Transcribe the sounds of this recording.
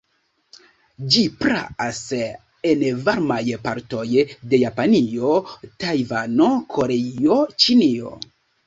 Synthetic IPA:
d͡ʒipɾa̰ʔas | envaɾmajpaɾto̞jde̞japanio̞tajvano̞kʰo̞ɾeio̞t͡ʃinio̞̰

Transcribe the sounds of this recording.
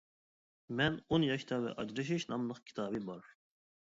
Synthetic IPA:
mɛnonjɑʃt̪ʰɑvɛ̰ʔɑd͡ʒɾɯʃ̬iʃnɑmləχkʲʰi̥t̪ʰɑːbibɑɾ

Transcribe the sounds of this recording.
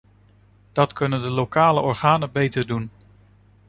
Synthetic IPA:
d̥ɑtkɵnəndəlowkaːləʔɔɹχaːnəbejtəɹdun

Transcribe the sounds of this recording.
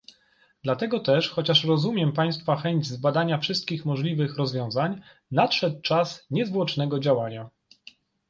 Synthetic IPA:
d̪lat̪ɛɡɔt̪ɛʂxɔt͡ɕaʂɾɔzumʲjɛmpaj̃st̪faxɛɲd͡ʑzbad̪aɲafʂɘst̪̚kʲixmɔʐlʲivɘxɾɔzvʲjɔ̃w̃zaɲ | nat̪ʂɛt̪̚t͡ʂasɲɛzvwɔt͡ʂnɛɡɔd͡ʑawaɲa

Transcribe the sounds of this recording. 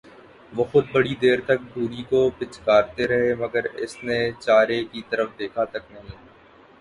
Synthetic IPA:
ʋoːxʊd̪̚bɐɽid̪eːɾt̪ɐk̚d̪ʱuːɾikopɪt͡ʃkaːɾt̪eɾɐɦemɐɡəɾɪ̰snet͡ʃaːɾekit̪ɐɾəfd̪eːkʰat̪ɐknɐɦĩː

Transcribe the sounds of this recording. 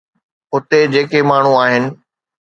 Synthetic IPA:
ʊt̪ed͡ʑeːkemaːɳ̤uaːɦɪnɪ̆

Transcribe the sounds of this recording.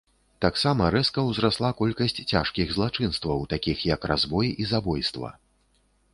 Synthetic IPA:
t̪aksamɐɾɛskɐwzɾaslˠakɔlʲkɐsʲt͡sʲt͡sʲaʂkʲiɣzlˠat͡ʂɨnst̪vɐwt̪akʲixjɐkra̰zvɔjizabɔjst̪vɐ̰

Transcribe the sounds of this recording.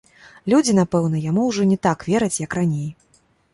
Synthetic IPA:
lʲud͡zʲin̪apɛwn̪ɐjamuwʐɔnʲɛt̪akvʲɛɾɐt͡sʲjɐkranʲej

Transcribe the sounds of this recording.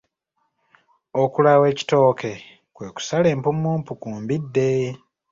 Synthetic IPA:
okulawe̞ːci̥to̞ːkʰe̞ | kwe̞ːku̥sale̞ːmpumːuːmpukuːmbidːe̞

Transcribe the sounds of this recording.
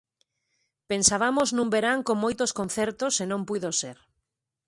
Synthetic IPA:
pensaβamoznũmbeɾaŋkõŋmojt̪oskõn̟θɛɾt̪osenõmpuðoseɾ

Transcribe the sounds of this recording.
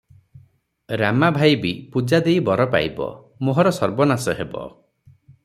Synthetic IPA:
ɾamabʱajbipud͡ʒad̪ejbɔɾɔpa̰jbɔ̰ | moɦɔɾɔsɔɾbɔnasɔɦebɔ̰

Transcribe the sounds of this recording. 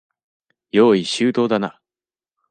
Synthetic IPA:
joːiɕɨːt̪o̞ːd̪ana̰

